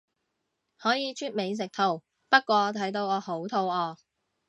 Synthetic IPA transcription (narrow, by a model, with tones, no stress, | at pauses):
hɔː˨˥jiː˨˧t͡ʃʰyː˥t̚me˨˧js̬ɪ˨k̚t̪ʰo˨w | pɐ˥t̚kʷɔː˧˨˧t̪ʰɐ˨˥jt̪o˧wɔː˨˧ho˨˥wt̪ʰo˧wɔː˨˧